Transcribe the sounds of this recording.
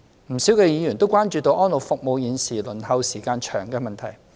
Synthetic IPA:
m̩˨˩si˨˥wkɛː˧jiː˨˧jyː˨˩nt̪o˥wkʷwaː˥nt͡ʃyː˧t̪o˧wʔɔː˥nlo˨˩wfʊ˨k̚mo˨˧wjiː˨˧nsiː˨˩lɵ˨˩nhɐ˧wsiː˨˩kaː˧nt͡ʃʰœː˨˩ŋkɛː˧mɐ˨nt̪ʰɐ˨˩j

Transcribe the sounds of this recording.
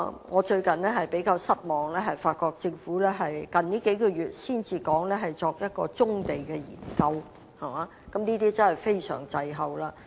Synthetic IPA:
ŋɔː˨˧t͡ʃɵ˧ɥkɐ˨nɛː˥ɦɐ˨jpe˨˥jkaː˧wsɐ˥t̚mɔː˨ŋlɛː˥ɦɐ˨jfaː˧t̚kɔː˧k̚t͡sɪ˧ŋfuː˨˥lɛː˥ɦɐ˨jkɐ˨nniː˥ke˨˥jkɔː˧jyː˨t̚siː˥˩nt͡siː˧kɔː˨˥ŋlɛː˥ɦɐ˨jt͡sɔː˧k̚jɐ˥t̚kɔ̰ː˧t͡sʊ˥ŋt̪e˨jkɛː˧jḭː˨˩nkɐ˧w | hɐ˨˩maː˨˦ | kɐ˨˥mniː˥t̪iː˥t͡sɐ˥nhɐ˨jfe˥jsœ̰ː˨˩ŋt͡sɐ˨˧jɦɐ˨wlaː˧

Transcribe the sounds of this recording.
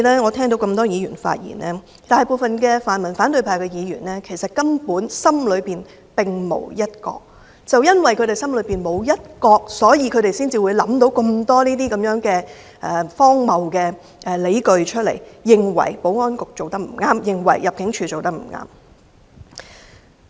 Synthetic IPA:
lɛː˥ŋɔː˨˧t̪ʰɛː˥ŋt̪o˨˧wkɐ˧mt̪ɔː˥jiː˨˧jyː˨˩nfa̰ː˧t̚jḭː˨˩nʔɛː˥ | t̪aː˨˩˨jpoː˨˧fɐ˨nkɛː˧faː˨nmɐ˨˩nfaː˨˥nt̪ɵ˧ɥpʰaː˧kɛː˧jiː˨˧jyː˨˩nɛː˥kʰe˨˩jsɐ˨t̚kɐ˥mpuː˨˥nsɐ˥mlɵ˨˧ɥpiː˨n | pɪ˨ŋmo̰˨˩wjɐ˥t̚kɔ̰ː˧k̚ | t͡sɐ˨wjɐ˥nwɐ˨˩jkʰɵ˧te˨jsɐ˥mlɵ˨˧ɥpiː˨˩nmo˨˧wjɐ˥t̚kɔː˧k̚sɔː˨˥jiː˨˧kʰɵ˨˧ɥɾe˨jsiː˥nt͡siː˨˧wuː˨˧jlɐ˨˥mt̪̬o˨˥wkɐ˧mt̪ɔː˥niː˥t̪iː˥kɐ˨˦mjœː˨˥ŋkɛː˧ | ʔɛː˨fɔː˥ŋmɐ˨wkɛː˧ | ʔɛ˨le˨˥jkɵ˨ɥt͡ʃʰɵ˥t̚lḛ˨˩jjɪ˨ŋwɐ̰˨˩jpo˨˥wŋɔː˥nkʊ˨k̚t͡so˨wt̪ɐ˥k̚m̩˨˩ŋaː˥mjɪ˨ŋwɐ̰˨˩jːɐ˨p̚kɪ˨˥ŋt͡ʃʰyː˧t͡so˨wt̪ɐ˥k̚m̩˨˩ŋa̰ː˥m

